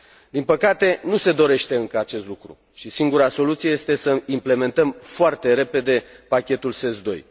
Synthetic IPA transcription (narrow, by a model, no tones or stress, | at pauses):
d̪inpəkat̪e̞nuse̞d̪o̞ɾe̞ʃt̪e̞ɨŋkəat͡ʃe̞st̪lukɾṵ | ʃisiŋɡuɾaso̞lut̪sijejest̪e̞səimple̞me̞nt̪əmfoart̪e̞ɾe̞pe̞d̪e̞pakʲe̞t̪ulse̞sd̪o̞̰j